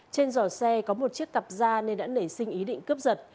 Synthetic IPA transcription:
t͡ɕe˧nzɔ˧˩sɛ˧kɔ˨˦mo˨˩t̚t͡ɕi˦˥ək̚ːa˨˩p̚zaː˧ne˧nɗa̰ː˧˥nə˧˩jsï˧ŋ̟ʔi˨˦ɗḭ̈˧˨ŋ̟kɨ˦˥p̚zə˨˩t̚

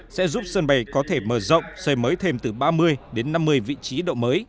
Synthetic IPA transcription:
sɛ̰˧˥zu˦˥p̚səː˧nɓa˧˩jkɔ˨˦t̪ʰe˧˩məː˧˩zə̰˧˨wŋ͡msəː˧˩jməː˨˦jt̪ʰe˧mt̪ɨ˨˩ɓaː˧mɨ˧əjɗe˨˦nːa˧mːɨ˧əjvḭ˧˨t͡ɕi˨˦ɗo̰˧˨wməː˨˦j

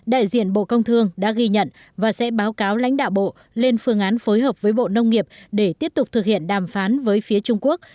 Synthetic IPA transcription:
ɗa̰ː˧˨jzḭ˧˨ənɓo̰˧˨kə˧wŋ͡mt̪ʰɨ˧əŋɗa̰ː˧˥ɣi˧ɲə̰˧˨n | vaː˨˩sɛ̰˧˥ɓaː˨˦wkaː˨˦wla̰˧˥ŋ̟ɗa̰ː˧˨wɓo̰˧˨ | le˧nfɨ˧əŋʔaː˨˦nfoː˨˦jɦəː˨˩p̚vəː˨˦jɓo̰˧˨nə˧wŋ͡mŋi˨˩əp̚ɗe˧˩t̪i˦˥əp̚t̪ʊ˨˩k͡p̚t̪ʰɨ˨˩k̚hḭ˧˨ənɗaː˨˩mfaː˨˦nvəː˨˦jfi˨˦ət͡ɕʊ˧ŋ͡mku˦˥ək̚

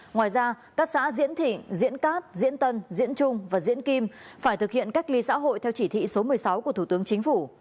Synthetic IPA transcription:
ŋwaː˨˩jzaː˧ | kaː˦˥k̚sa̰ː˧˥zḭ˧˥ənt̪ʰḭ̈˧˨ŋzḭ˧˥ənkaː˦˥t̚zḭ˧˥ənt̪ə˧nzḭ˧˥ənt͡ɕʊ˧ŋ͡mvaː˨˩zḭ˧˥ənki˧mfaː˧˩jt̪ʰɨ˨˩k̚hḭ˧˨ənka˦˥k̚li˧sa̰ː˧˥ɦo̰˧˨jt̪ʰɛ˧wt͡ɕi˧˩t̪ʰḭ˧˨so˨˦mɨ˨˩əjsa˨˦wku˧˩ət̪ʰu˧˩t̪ɨ˨˦əŋt͡ɕï˨˦ŋ̟fu˧˩

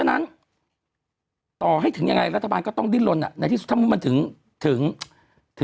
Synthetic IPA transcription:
ə˧nʔa˨˦n | t̪ɔ˨˩ɦa˨˦t̪ʰɨ˨˩˦ŋɲa˨˩ŋa˨˩jlaː˨˩t̪ʰɔ˧˩ɓaː˧˨ŋkɔ˨˦t̪ɔ˧nɗi˧˦lo˨˩˨nʔa̰ː˨˩na˨˩t̪ʰi˧sʊ˧˥t̪ʰːmu˧˦˩mə˨˩t̪ʰɨ˨˩ə˦ŋ | t̪ʰɨ̰˨˦əŋ | t̪ʰ

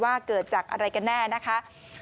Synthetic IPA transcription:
waː˥˩kɤː˨˩t̪̚t͡ɕaː˨˩k̚ʔa̰˧ɾa˧jka˧nːɛː˥˩na˦˥kʰa˦˥

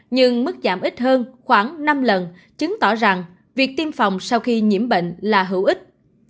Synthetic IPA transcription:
ɲɨ˧ŋmɨ˦˥k̚zaː˧˩mʔi˦˥t̟̚ɦəː˧nxwaː˧˩ŋna˧mlə˨˩n | t͡ɕɨ˨˦ŋt̪ɔ˧˩za˨˩ŋ | vi˨˩ək̚t̪i˧mfa˨˩wŋ͡msa˧wxi˧ɲi˧˩əmɓə̰˧˨ŋ̟laː˨˩ɦɨ˧˩wʔï˦˥k̟̚

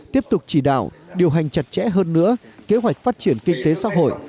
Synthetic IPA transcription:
t̪i˦˥əp̚t̪ʊ˨˩k͡p̚t͡ɕi˧˩ɗa̰ː˧˨wɗi˨˩əwɦa˨˩jŋ̟t͡ɕa˨˩t̚t͡ɕɛ̰˧˥ɦəː˧nːɨ̰˧˥əke˨˦ɦwa˨˩jk̟̚faː˦˥t̚t͡ɕi˧˩ənkï˧ŋt̪e˨˦sa̰ː˧˥ɦo̰˧˨jʔ

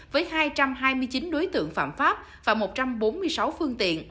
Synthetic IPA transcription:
vəː˨˦jhaː˧jt͡ɕa˧mɦaː˧jmɨ˧əjt͡ɕi˨˦nɗo˨˦jt̪ɨ̰˧˨əŋfa̰ː˧˨mfaː˦˥p̚ | vaː˨˩mo˨˩t̚t͡ɕa˧mɓo˨˦nmɨ˧əjsa˨˦wfɨ˧əŋt̪ḭ˧˨ən

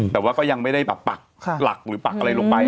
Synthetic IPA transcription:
t̪ɛː˨˩waː˥˩kɔː˥˩ja˧ŋma˥˩jda˥˩jbɛː˨˩pːa˨˩k̚ʰla˨˩k̚ɾɯː˩˦pa˨˩k̚ʔa˧ɾa˧jloː˧ŋpa˧

